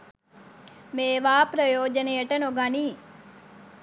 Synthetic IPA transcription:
meːʋaːpɾɐjoːd͡ʒənejəʈənoɡaniː

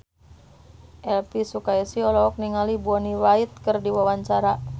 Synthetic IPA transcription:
ʔɛlpisukaisiɔlɔɔk̚niŋalibuɔniwait̪̚kɨrdiwawaɲt͡ʃaɾa

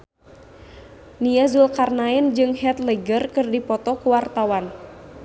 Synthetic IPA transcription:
niazulkarnaɛnd͡ʒɨŋhɛt̪ləɡərkɨrdipɔt̪ɔkuwart̪awan

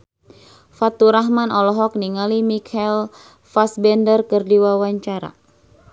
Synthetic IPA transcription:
fat̪uɾaɦmanɔlɔɦɔk̚niŋalimikʰɛl | fasbɛndərkərdiwawaɲt͡ʃaɾa̰

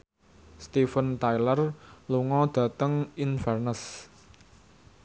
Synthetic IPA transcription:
st̪ifənt̪ajlərluŋɔd̪̥ä̤t̪əŋinfɛrnəs

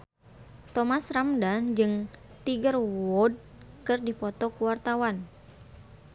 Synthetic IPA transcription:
t̪ɔmasramdand͡ʒɨŋ | t̪iɡərwɔd̚ | kɨrdipɔt̪ɔkuwart̪awan

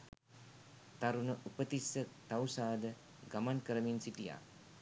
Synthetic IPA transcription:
t̪aɾunəʔupət̪isːət̪awsaːd̪ə | ɡamankəɾəminsiʈija̰ː

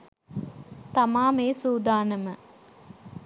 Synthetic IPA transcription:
t̪amaːmeːsuːd̪aːnəmə

